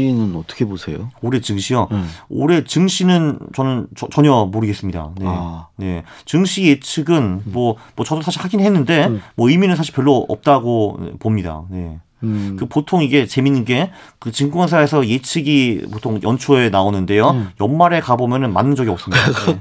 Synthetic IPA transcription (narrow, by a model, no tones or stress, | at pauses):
inɯnʌt͈ʌ̥kʰebosʰe̞̰jo̰oɾe̞t͡ɕɯŋɕʰioo̰ɾe̞t͡ɕɯŋɕʰinɯnt͡ɕʌnɯnt͡ɕʌt͡ɕʌɲʌmoɾɯɡe̞s͈ɯmɲida̰ne̞̰ne̞t͡ɕɯŋɕʰije̞t͡ɕʰɯɡɯnmʌmwʌt͡ɕʌdosʰaɕʰiɭhaɡinɦe̞nːɯnde̞mwʌɯjminɯnsʰaɕ̬ʰiɭpjʌɭːoʌ̰p̚t͈aɡoḛpomɲida̰ne̞̰ | kɯpotʰoŋiɡe̞t͡ɕe̞minːinɡe̞ | kɯt͡ɕiŋɡuŋansʰaesʰʌje̞t͡ɕʰɯɡipotʰoŋjʌnt͡ɕʰoe̞naonɯnde̞jojʌnmaɾe̞kabomjʌnɯnma̰nːɯnd͡ʑʌɡiʌp̚s͈ɯmɲidae